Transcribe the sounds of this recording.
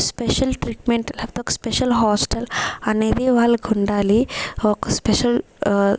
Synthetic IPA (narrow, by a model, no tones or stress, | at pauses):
speʃɐlʈɾiʈmeɳʈlɐft̪okɐ̥speʃɐlɦaːsʈɐlɐneːd̪iʋaːɭːuɡuɳɖaːliɔkɐspeʃɐl